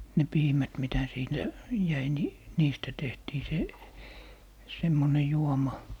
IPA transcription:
ne piːmæt mitæ siːntæ jæi ni niːstæ tehtiː se semːone juomɑ

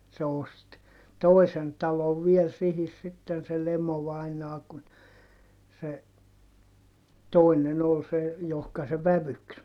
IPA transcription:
se ost toˑisen tɑloʋ ʋiel sihis sitːen se lemoʋɑinɑː kun se toˑinen ol se johkɑ se ʋæʋyks

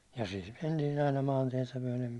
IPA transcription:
jɑ siːt mentiːn̞ ɑinɑ mɑːntiɛtæ myæ̹lem

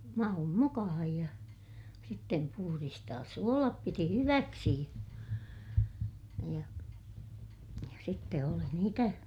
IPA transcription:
mɑum mukɑhɑj jɑ sitːem puhuristɑːs suolɑp piti hyʋæksi jɑ sitːe oli niːtæ

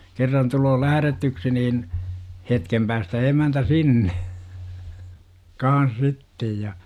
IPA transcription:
kerːɑn tuloː læhærætyksi niːn hetkem pæːstæ emæntæ sinːe kɑːn̞s sitːej jɑ

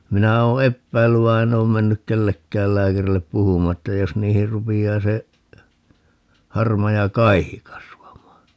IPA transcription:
minæ oː epːæilːyʋ ʋɑi̯ en oːm menːyk kelːekːæːl læːkærilːep puhumˑɑː etːæ jos niːhir rupiɑː se hɑrmɑjɑ kɑihi kɑsʋɑmˑɑː

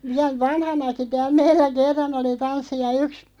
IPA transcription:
ʋiæl ʋɑnhɑnɑki tæːl meilːæ kerːɑn oli tɑnsːi jɑ yks

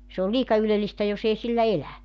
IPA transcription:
se ol liːkɑ ylelistæ jos ei silːæ elæ

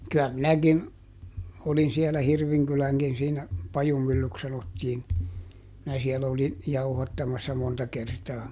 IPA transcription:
kyæ minækin olin siɛlæ hirʋiŋkylæŋkin siːnæ pɑjumylːyks sɑnotːiːn minæ siɛlæ olin jɑuhɑtːɑmɑsːɑ montɑ kertɑː

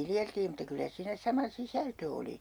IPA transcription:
ʋiljeltiː mutːɑ kylːæ siːnæ sɑmɑ sisæltø oli

